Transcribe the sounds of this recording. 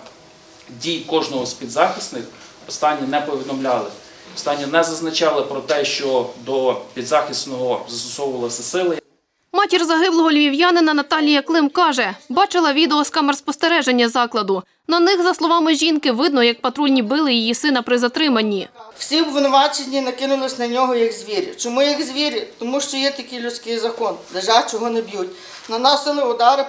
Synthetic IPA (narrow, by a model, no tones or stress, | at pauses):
dʲijkɔʒnɔɦɔspʲid̪zɑxʲisnɪx | ɔst̪ɑnʲːinɛpɔʋʲid̪ɔmlʲɑlˠɪ | ɔ̥st̪ɑnʲːinɛzɐznɐt͡ʃɑlˠɪpɾɔt̪ɛʃt͡ʃɔd̪ɔpʲid̪zɑxʲist̪nɔɦɔzɐst̪ɔsɔwʊʋɐlˠɐsʲɐsɪlˠɪ | mɑtʲirzɐɦɪblˠɔɦɔlʲʋʲiwjanɪnɐnɐt̪ɑlʲijɐklˠɪmkɑʒɛbɑt͡ʃɪlˠɐʋʲid̪eɔskɑmɐrspɔst̪eɾɛʒenʲːɐzɑklˠɐd̪ʊ | nɐnɪxzɐslˠɔʋɑmɪʒʲinkɪʋɪd̪nɔjɐk̚pɐt̪ɾulʲnʲibɪlˠɪjijisɪnɐpɾɪzɐt̪ɾɪmɐnʲːiw̥sʲibʋɪnɔʋɑt͡ʃenʲːinɐkɪnʊlˠɪsʲnɐnʲɔɦɔjɐɡzʲʋʲiɾʲit͡ʃɔmujɐkzʲʋʲiɾʲit̪ɔmuʃt͡ʃɔjɛt̪ɐkɪjlʲʊt͡sʲkɪjzɐkɔnd̪eʒɑt͡ʃɔɦɔnebjutʲ | nɐnɑsɪlˠɪʊd̪ɑɾɪ